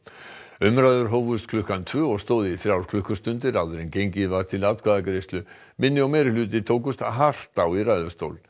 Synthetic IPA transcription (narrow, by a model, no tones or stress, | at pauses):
ʏmɾajðʏɾɦowvʏst̪kʰlʏhkant̪ʰvʏːɔɣst̪oːðɪiθɾjawɾ̥kʰlʏhkʏst̪ʏnt̪ɪɾaðʏɾɪncejɲcɪvaɾ̥t̪ʰɪlat̪̚kʰvaðakɾejst̪lʏ | mɪnːɪawmɛːɾɪlʏːt̪ɪt̪ʰoːwkʏst̪aɦar̥t̪awirajðʏst̪o̰wl